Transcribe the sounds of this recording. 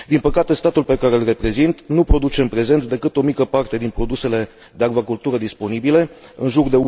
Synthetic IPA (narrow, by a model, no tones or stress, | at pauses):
d̪inpəkat̪e̞st̪at̪ulpe̞kaɾelre̞pɾe̞zint̪nupɾo̞d̪ut͡ʃe̞ɨmpɾe̞ze̞nt̪d̪e̞kɨt̪o̞mikəpart̪e̞d̪inpɾo̞d̪use̞le̞ | d̪eaɡvakult̪uɾəd̪ispo̞nibile̞ɨnʒurd̪e̞u